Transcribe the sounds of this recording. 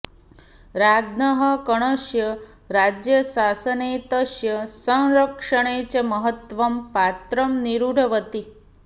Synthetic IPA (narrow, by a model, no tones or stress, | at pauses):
ɾaɡnəɦəkəɳ̃əʃjə | ɾad͡ʑjəsasənet̪əʃjɐsə̃w̃ɾəkʂəɽ̃et͡ɕɐməɦət̪ʋɐmpat̪ɾəmniɾuɽʱɐʋət̪i